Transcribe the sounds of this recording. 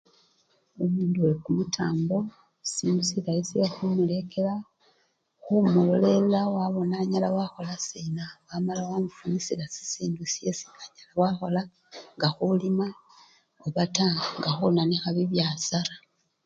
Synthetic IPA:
omuːnduwekumutʰaːmbo̞ | siːndusiɾaisiexumule̞ke̞la | xumulole̞lawaβo̞naɲalawaxo̞lasinawamalawamufunisilasi̥siːndusiesi̥ːnaɲalawaxo̞la | ŋɡaxulima | oβataŋɡaxunanixaβiβjaːsaɾa

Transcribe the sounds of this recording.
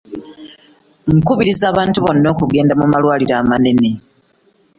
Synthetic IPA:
ŋkuβiɾizaːβaːntuβo̞nːo̞ːkuɡe̞ːndamumalwaːliɾaːmaneme

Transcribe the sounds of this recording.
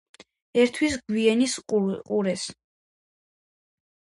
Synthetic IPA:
ɛɾt̪ʰwisɡwiɛnisqʼuɾɛs

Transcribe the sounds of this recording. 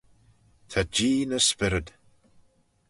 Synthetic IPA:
t̪ʰad͡ʒiːnəspɪɾəd

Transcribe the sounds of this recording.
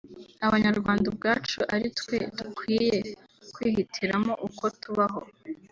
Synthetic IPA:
aβaɲaɾɡwaːndabɡaːt͡ʃuʔaɾitkwe̞̰tukwiːje̞ | kwiːhitʰiɾamo̞ʔuko̞tuβaɦo̞

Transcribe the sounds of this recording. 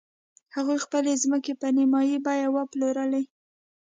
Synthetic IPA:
haɣujxpəlezməkepənimɑjibɑjawəploɾəla

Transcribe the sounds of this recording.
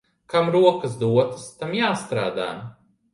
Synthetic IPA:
kamɾuɔkɐsd̪uɔt̪ɐ̥st̪amjaːst̪ɾaːd̪a̰ː

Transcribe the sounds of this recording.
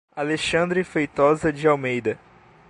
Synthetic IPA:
aleʃɐ̃nd̪ɾɪfejt̪ɔzɐd͡ʒɪawmejd̪ɐ

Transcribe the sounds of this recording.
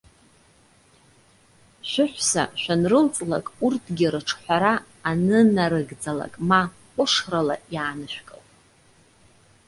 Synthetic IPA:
ʃʷᶣʊħʷsa̰ʃʷᶣanrɨlt͡sʼla̰kʼurtʰɡʲɪrɨʈ͡ʂʰħʷaɾaː | nɨnaɾɨɡd͡zala̰kʼma | qʷʼʊʂrala̰jaːnɨʃʷᶣkʼawtʼ

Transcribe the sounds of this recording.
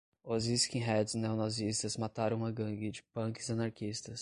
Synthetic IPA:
ʊziskĩɦɛd̪znewnazist̪ɐzmat̪aɾɐ̃w̃ũɐɡɐ̃ɡɪd͡ʒɪpɐ̃kɪzɐnaɾkist̪ɐs

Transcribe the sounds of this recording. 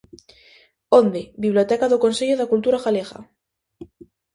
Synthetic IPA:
ond̪ebiβ̞liot̪ekaðokonseʎoðakult̪uɾaxaleɣa̰

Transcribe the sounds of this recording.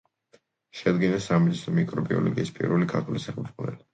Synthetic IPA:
ʃɛd̪ɡinasamid̪isɔmikʼɾɔbiɔ̰lɔɡiispʼḭɾvɛlikʰaɾt̪ʰulisaχɛzʁɔbɛ̰li

